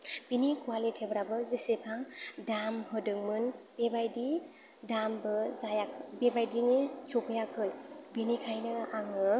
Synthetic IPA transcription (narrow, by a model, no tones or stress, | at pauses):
b̥inikualitʰebɾabɯzisepʰaŋdamhɯdɯŋmɯnb̥ebajdi | dambɯzajakʰbebajdiŋisopʰɯjakʰɯjbinikʰajnɯaŋɯ